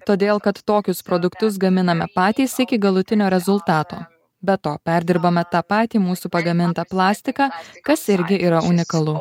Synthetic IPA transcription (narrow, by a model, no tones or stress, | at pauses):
t̪oːd̪ʲeːlˠkɐt̪ːoːkʲʊspɾoːd̪ʊkt̪ʊs̬ɡɐmʲɪnɐmʲɛpɑːt̪ʲiːsɪkʲɪɡɐlˠʊt̪ʲɪnʲoːɾʲɛzʊlˠt̪ɑːt̪o̰ː | bʲɛt̪oːpʲæɾʲd̪ʲɪɾbɐmʲɛt̪ɑːpɑːt̪ʲiːmuːsupɐɡɐmʲɪnt̪ɐplˠɑːsʲt̪ʲɪkɑːkɐsɪɾʲɡʲɪʔiːɾɐʔʊnʲɪkɐlˠʊ